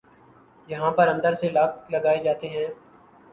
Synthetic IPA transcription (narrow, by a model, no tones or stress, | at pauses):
jɐɦãːpəɾə̃nd̪əɾselɐk̚lɐɡaːed͡ʒaːt̪eɦɛ̃ː